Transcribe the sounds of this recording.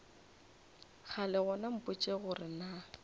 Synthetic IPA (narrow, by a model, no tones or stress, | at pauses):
ɣʰalɛɣɔnam̩pʼʊt͡ʃʼeɣʊrɪna